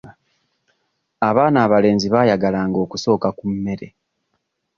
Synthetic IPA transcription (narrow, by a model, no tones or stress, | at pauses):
aβaːnaːβale̞ːnziβajaɡalaːŋɡo̞ːkuso̞ːkakumːe̞ɾe̞̰